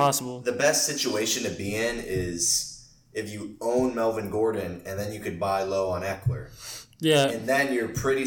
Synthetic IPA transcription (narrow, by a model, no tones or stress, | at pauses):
ɑsəbl̩ˠðɨbɛstsɪt͡ʃueɪʃɨ̃nɨt̚biɛ̃nɪz̥ | ɨfjɨõʊ̃nmɛlˠvɨ̃nɡɔɹdⁿn̩ɨ̃nðɨ̃njɨkɨd̚baɪloʊə̃nækʰlə̰˞jæɨ̃nðɨ̃njə˞pʰɹ̥ɪɾi